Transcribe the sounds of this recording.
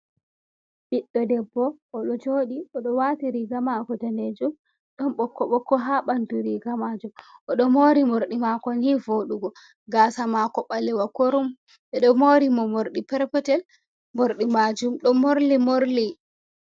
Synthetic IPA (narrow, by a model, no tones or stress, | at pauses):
biɗːɔdɛbːɔʔɔɗɔd͡ʒoːɗiʔɔɗɔwatiɾiɡamakɔtaned͡ʒum | ɗɔnɓɔkːɔɓɔkːɔɦaɓanduɾiɡamad͡ʒumʔɔɗɔmoɾimoɾɗimakɔnivoɗuɡɔ | ɡaːsamakɔɓalɛwakoɾum | ɓɛɗɔmoɾimɔmoɾɗipɛɾpɛtɛl | moɾɗimad͡ʒumɗɔmoɾlimoɾli